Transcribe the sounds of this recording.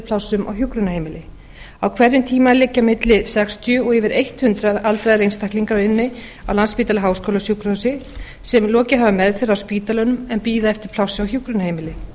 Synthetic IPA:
pʰlawsʏmʔa̰wçjukɾʏnahejmɪlɪ | awkʰvɛɾjʏmt̪ʰiːmalɪcːamɪt̪lɪsɛkst̪jʏɔɣɛvɪɾʔejht̪hʏnt̪ɾaðalt̪ɾajðlejnst̪ahkliŋkaɾaɪnːɪ | awlanspiːt̪alaɦaːwskowlasjukɾɔsɪ | sɛmlɔːcɪɦavamɛðfɛɾawspiːt̪alœnʏmɛnpiːðaɛft̪ɪɾ̥pʰl̥awsɪawçjukɾʏnahejmɪlɪ

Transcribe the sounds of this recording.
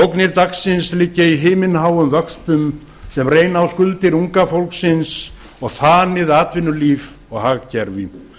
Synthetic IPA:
owknɪɾt̪aksːɪnslɪːcːɪiɦɪːmɪnɦaːwʏmvœkst̪ʏm | sɛmreːjnaawskʏlt̪ɪɾuŋkafowlksɪns | ɔɣθaːnɪðaːt̪vɪnːʏliːv | ɔɣhaːɣcɛɾvɪ

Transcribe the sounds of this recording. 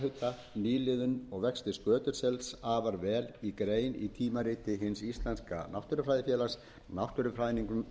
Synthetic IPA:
ɦʏt̪ːa | niːlɪðʏnɔɣvɛkst̪ɪskœːt̪ʏɾ̥sɛlt̪saːvaɾvɛːlikɾeːjnit̪ʰiːmaɾɪːt̪ɪɦɪnsist̪lanska̰nawht̪ʏɾʏfɾaːjðɪfjɛːlḁs | nawht̪ʏɾʏfɾajniŋkʏm

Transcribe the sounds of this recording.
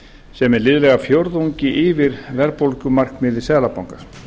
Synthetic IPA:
sɛmɛɾlɪːðʏlɛɣafjowɾðuɲcɪʔɪvɪɾvɛɾpowlcʏmar̥kmɪːðɪ̥sɛːlapawŋka

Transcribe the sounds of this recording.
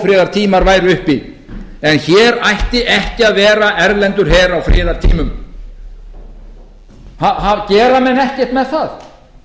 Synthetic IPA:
fɾɪːðaɾ̥t̪ʰiːmaɾvaːjɾʏhpi | ɛnçɛːɾajht̪ɪʔɛhcɪaðvɛːɾaʔɛɾlɛnt̪ʏɾ̥ɦɛːɾawfɾʔɪːðaɾt̪ʰḭːmʏm | haɦavcɛːɾamɛnɛhcɛ̥t̪mɛðθað

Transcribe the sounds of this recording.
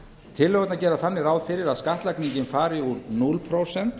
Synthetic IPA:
t̪ʰɪlːœɣɛt̪nacɛːɾaθanːɪɾaːwðfɪɾɪɾaðskaht̪lajkniɲcɪnfaːɾɪuɾnulpʰɾowsɛn̥t̪

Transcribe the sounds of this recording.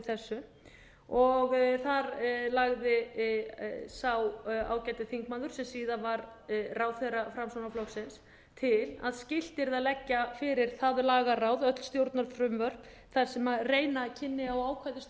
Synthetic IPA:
θɛsːʏ | ɔɣθaɾlaɣðɪ | sawa̰ːwcajt̪ɪθiŋkmanðʏɾ̥sɛmsiːðanvaɾrawθerafɾamsɔnaflɔksɪns | t̪ʰɪla̰ðscɪl̥t̪ɪɾðaðlɛcːafɪɾɪɾ̥θaðʏlaːɣarawðœt̪l̥st̪jowɾt̪nalfɾʏmvœr̥p | θaɾ̥sɛmareːjnacʰɪnːɪaɔwaːwkʰajðɪs

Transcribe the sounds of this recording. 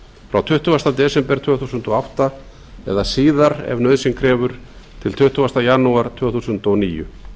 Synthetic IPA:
fɾawt̪ʰʏht̪uvast̪at̪ɛːsɛmpɛɾt̪ʰʏːθusʏnt̪ɔawht̪a | ɛ̰ðasiːðaɾɛ̰vnœɥðsɪŋkʰɾɛːvʏɾ̥ | t̪ʰɪlt̪ʰʏht̪uvast̪ajanuaɾ̥t̪ʰvœːθusʏnt̪ɔniːjʏ̰

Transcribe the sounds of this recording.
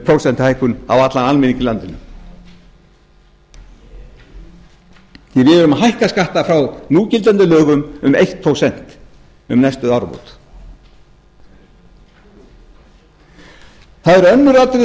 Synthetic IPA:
pʰɾowsɛnt̪hajkʏna̰wat̪lanalmɪniɲcɪlant̪ɪnʏm | ɛvɪðɾʏmaɦajhkaskaht̪afɾawnuːcɪlt̪ɛnt̪ʏlœːɣʏmʏmejht̪̚pʰɾowsɛn̥t̪ | ʏ̰mnɛst̪ʏðawɾpo̰wt̪ | θaðɛɾœnːʏɾat̪ɾɪ

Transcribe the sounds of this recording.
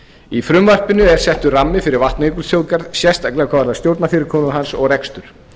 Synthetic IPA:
ifɾʏmvar̥pɪnʏɛɾ̥sɛht̪ʏramːɪfɪɾɪɾvalt̪nejkʏlt̪jowkaɾðsjɛst̪aklɛːɣakʰavaɾðast̪jowɾt̪nafɪːɾɪɾkʰɔːnaɦansɔɣrɛkst̪ʏɾ̥

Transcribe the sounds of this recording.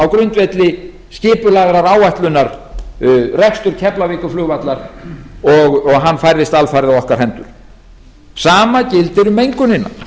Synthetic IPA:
awkɾʏnt̪vɛt̪lɪ | scɪːpʏlaːɣɾaɾaːwajht̪lʏnːaɾ | rɛkst̪ʏɾ̥cʰɛplavɪːkʏflʏːɣvat̪laɾɔɣɔɣɦanːfajɾðɪst̪alfajɾɪðawɔhkaɾ̥ɦɛnt̪ʏɾ̥ | saːmacɪlt̪ɛɾʏmːejŋkʏnɪnːa̰

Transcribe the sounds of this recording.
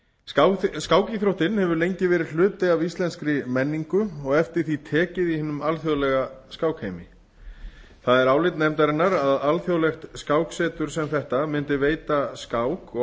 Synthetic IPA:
askaːwciθɾowht̪ɪnhɛvʏɾlejɲcɪvɛːɾɪ̥l̥ʏːt̪ɪavist̪lɛnskɾɪmɛnːiŋkʏɔɣɛft̪ɪɾ̥θit̪ʰɛːcɪðihɪːnʏmalθjoðlɛɣaskawkhejmɪ | θaðɛɾaːwlɪt̪nɛmt̪aɾɪnːaɾaðalθjowlɛxt̪skaːwksɛːt̪ʏɾ̥sɛmθɛht̪amɪnt̪ɪveːjt̪askaːwkɔ

